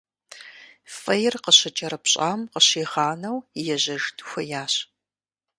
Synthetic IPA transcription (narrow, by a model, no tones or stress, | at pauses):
fʼɐjrqəɕɐt͡ʃʼɐɾɐpɕʼaːmqəɕeːʁaːnɐwjɛʑɐʒtʰxʷɐjaːɕ